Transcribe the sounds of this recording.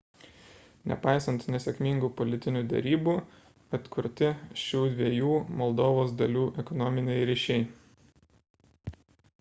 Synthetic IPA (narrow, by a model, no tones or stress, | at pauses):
nʲɛ̰pɑɪsɐ̃nt̪nʲɛsʲɛkʲmʲɪŋɡupɔlʲɪt̪ʲɪnʲuːd̪ʲɛ̰ɾʲiːbuː | ɐt̪kʰʊɾʲt̪ʲɪʃʲuːd̪ʲʋʲiɛjuːmɔlˠd̪oːʋoːsd̪ɐlʲuːʔɛkɔnɔmʲɪnʲɛɪɾʲiʃʲɛɪ